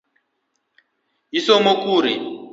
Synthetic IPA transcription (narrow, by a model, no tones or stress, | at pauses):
ɦisɔmokuːɾi